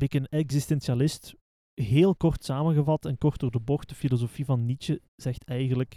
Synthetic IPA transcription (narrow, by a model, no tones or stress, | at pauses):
bɪkənɛɡzɪstɛnsialɪst | ɦeːlˠkɔrtsaːmənɣəvɑtɛnkɔrtdoːrdəbɔxt̚dəfilozofivɑnːit͡ʃə | z̥ɛxtɛjɣənlək